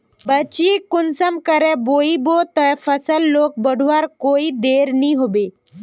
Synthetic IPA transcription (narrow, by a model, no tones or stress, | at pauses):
bət͡ʃiːkʊnsəmkəɾɛ̃boibot̪əfəsəlːoːk̚bəɽ̤ʱuʋaɾkoːid̪eːɾniɦobe